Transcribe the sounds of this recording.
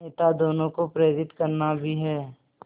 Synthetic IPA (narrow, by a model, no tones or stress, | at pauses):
eːt̪ad̪oːnõkopɾeːɾɪt̪kəɾnabʱiɦɛː